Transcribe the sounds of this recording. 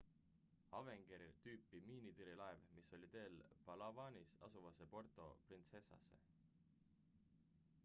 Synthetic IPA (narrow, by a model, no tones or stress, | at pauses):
ɑve̞ŋɡ̥eɾit̪yːpːˑimiːnit̪iɾilɑevmiso̞lʲit̪e̞ːlpɑlɑvɑːnisɑ̰suvɑsepo̞rt̪ˑo̞̰print̪se̞sːɑ̰sːḛ